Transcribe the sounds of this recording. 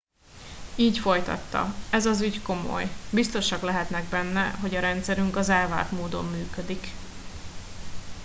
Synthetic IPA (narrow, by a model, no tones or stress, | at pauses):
iːcfo̞jt̪ɒ̰t̪ːɒ̰ɛzɒzyɟko̞mo̞̰jbist̪o̞ʃɒɡlɛɦɛt̪nɛɡ̚bɛnːɛɦo̞ɟɒɾɛnt̪sɛɾyŋkɒzɛlva̰ːt̪moːd̪o̞̰mːyːkø̞d̪ik